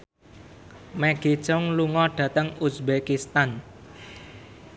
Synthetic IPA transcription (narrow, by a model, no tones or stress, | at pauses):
mɛɡ̥i̥t͡ʃɔŋluŋɔɖ̥ä̤t̪əŋusbekist̪an